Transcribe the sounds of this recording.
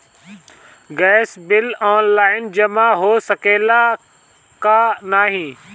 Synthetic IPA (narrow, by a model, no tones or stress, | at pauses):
ɡɛːsbɪlɔːnlaːɪnd͡ʒɐmaɦoːsɐkeːla | kanaːɦĩː